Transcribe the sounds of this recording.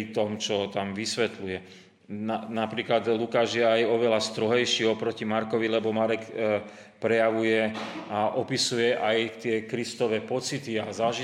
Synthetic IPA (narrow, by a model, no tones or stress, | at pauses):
t̪ɔmt͡ʃɔt̪amʋisʋɛt̪lujɛ | nanapɾiːklad̪lukaːʒjɛajɔʋɛlast̪ɾɔɦɛjʃiːɔpɾɔcimaɾkɔʋilɛbɔmaɾɛk | pɾɛjaʋujɛaʔɔpisujɛʔajt̪ɪɛkɾist̪ɔʋɛːpɔt͡sit̪iazaʒi